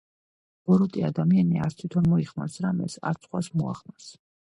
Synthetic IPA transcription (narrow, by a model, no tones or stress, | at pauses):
b̥ɔɾut̪ʼiad̪amianiast̪ʰwit̪ʰɔnmɔiχmasɾamɛ̰sa̰ɾt̪sʰχwasmua̰χmas